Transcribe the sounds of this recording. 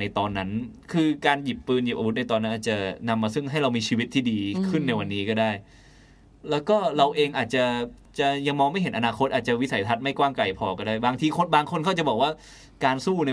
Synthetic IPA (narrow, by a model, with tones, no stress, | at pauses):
na˧jt̪ɔː˧nːa˦˥n | kʰɯː˧kaː˧nji˨˩pːɯː˧nji˨˩p̚a˧w̪̚na˧jt̪ɔː˧nːa˦˥nʔaː˨˩t͡ɕa˨˩na˧mːaː˧sɯ˥˩ŋɦa˥˩jɾa˧wmiː˧t͡ɕʰiː˧wi˦˥t̪ʰːiː˥˩diː˧kʰɯ˥˩nːa˧jwa˧nːiː˦˥kɔː˥˩daː˥˩j | lɛː˦˥wkɔː˥˩ɾa˧wʔeː˧ŋʔaː˨˩t̪̚t͡ɕa˨˩ | t͡ɕa˨˩ja˧ŋmɔː˧ŋma˥˩jɦe˩˦nʔa˧naː˧kʰo˦˥t̪̚ʔaː˨˩t̪̚t͡ɕa˨˩wi˦˥sa˩˦jt̪ʰa˦˥t̪̚ma˥˩jkwaː˥˩mka˨˩jpʰɔː˧kɔː˥˩daː˥˩jbaː˧ŋt̪ʰiː˧kʰo˧˥nbaː˧ŋkʰo˧nkʰɔ˥˩t͡ɕa˨˩bɔː˨˩kwaː˥˩ | kaː˧nsuː˥˩na˧